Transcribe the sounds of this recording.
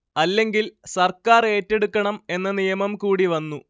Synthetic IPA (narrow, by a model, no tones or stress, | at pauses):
ɐlːe̞ŋɡilsɐrkaːre̞ːtːe̞ɽukːɐɳɐme̞nːɐnijɐmɐmkuːɽiʋɐnːu